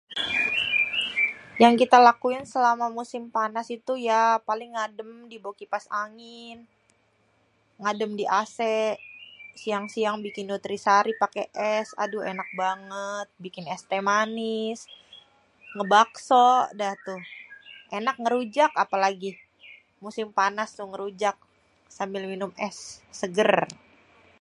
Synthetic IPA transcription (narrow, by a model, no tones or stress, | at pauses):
jaŋkit̪alakuɪnsəlamamusɪmpanasit̪ujapalɪŋːadəmdibokipasaŋɪn | ŋadəmdiʔasɛʔsiaŋsiaŋbikɪnːut̪ɾisaɾipakeʔɛsa̰duḛnak̚baŋət̪̚bikɪnɛst̪emanɪs | ŋəbaksoʔdaht̪uhʔenak̚ŋəɾud͡ʒakapalaɡi | musɪmpanast̪ʊhŋəɾud͡ʒak̚ | sambɪlminʊmɛsːəɡər